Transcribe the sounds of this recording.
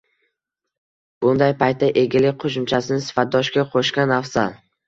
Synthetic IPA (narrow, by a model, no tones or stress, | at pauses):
b̥ʊnd̪ajpʰajt̪̚ːaʔe̞ɡʲɪlɪk̚ʲqʰoʃʊmt͡ʃʰasɪnɪsɪ̥fat̪̚d̪ɒʃkʲaqʰoʃkʲanːafsa